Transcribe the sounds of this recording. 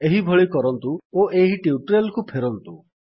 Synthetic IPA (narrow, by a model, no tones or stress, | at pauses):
eɦibʱɔɭikɔɾɔnt̪uoʔeɦiʈiuʈɾelkupʰeɾɔnt̪u